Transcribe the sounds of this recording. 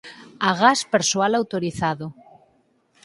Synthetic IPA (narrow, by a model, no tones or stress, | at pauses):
aɣaspeɾswalawt̪oɾiθaðo